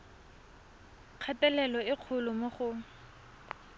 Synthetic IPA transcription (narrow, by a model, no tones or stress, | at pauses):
q͡χʰatʼɛlɛlɔɪq͡χʰʊlʊmoχʊ